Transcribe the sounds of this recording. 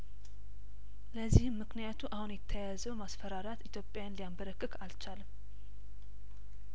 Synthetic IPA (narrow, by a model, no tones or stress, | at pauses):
ləzːihɨmːɨknijat̪ʰuʔahunjɛt̪ʰːəjazəwmasfəɾaɾjat̪it̪jo̞pʼːjajanlijambəɾəkʼːɨkʰalt͡ʃalm